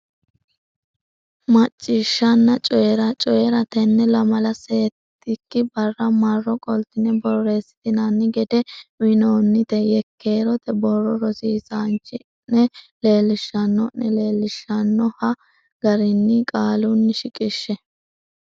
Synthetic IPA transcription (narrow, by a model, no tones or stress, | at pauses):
mɐt͡ʃʼːɪʃːɐnːɐt͡ʃʼɔjɛɾɐt͡ʃʼɔjɛɾɐt̪ɛnːɛlɐmɐlɐseːt̪ːɪkːɪbɐrːɐmɐrːɔkʼɔlt̪ɪnɛbɔre̞ːsːɪ̥t̪ɪnɐnːɪɡɛd̪ɛmɪnoːnːɪt̪ɛjɛkːeːɾɔt̪ɛbɔrɔɾɔsiːsaːnt͡ʃːɪ | nɛle̞ːlːɪʃːɐnːɔnɛle̞ːlːɪʃːɐnːɔhɐ | ɡ̥ɐɾɪnːɪkʼaːlunːɪʃɪkʼɪʃːɛ